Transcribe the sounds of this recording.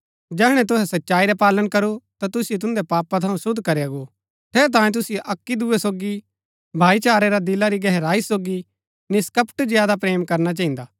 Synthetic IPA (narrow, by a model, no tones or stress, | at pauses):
d͡ʒɛːɦɽ̃ɛ̃t̪ʊɦɛsɐtːʃaːiɾɛpaːlənkɐɾut̪at̪ʊsɪjet̪̬ʊ̃nd̪ɛpaːpat̪ʰɐũsʊd̪ʱkɐɾeaɡo | t̪ʰeːɾt̪̬ãːĩt̪̬ʊsɪjeʔɐkːid̪ʊesoːɡi | bʱaːit͡ʃaːɾeɾad̪ɪlaɾiɡɛɦɾaːisoːɡi | nɪskɐpʰʈzɪjaːd̪ap̬ɾeːmkɐɾnat͡ʃɐːĩnd̪aː